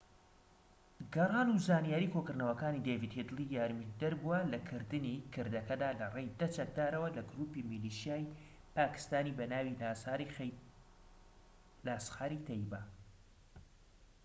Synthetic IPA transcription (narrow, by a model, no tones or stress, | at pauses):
ɡɐrˤɑːluzaːnijaːɾiːkʰokɨɾnɐwɐkaːnid̪evid̪hed̪ɨlˠijaːɾmid̪ɐɾbuwalɐkʰɨɾd̪ɨnikʰɨɾd̪ɐkɐd̪aːlɐrejd̪ɐt͡ʃɐk̚d̪aːɾɐwɐlɐɡɾuːpimiliʃijaːj | paːkɨ̥st̪aːnibɐnaːwi | laːsxaːɾit̪ʰɐjba